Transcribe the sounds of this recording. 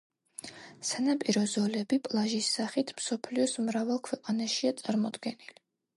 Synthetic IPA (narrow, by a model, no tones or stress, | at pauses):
sanapʼiɾɔzɔlɛbipʼlˠaʒisːaχit̪ʰmsɔpʰliɔsmɾavalˠkʰwɛqʼanaʃiat̪sʼaɾmɔd̪ɡɛnili